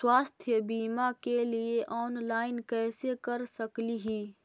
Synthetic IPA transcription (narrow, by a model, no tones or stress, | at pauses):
swaːst̪ʰjəbiːmakelieʔɔːnlaːɪnkɛːsekɐɾsɐkliɦiː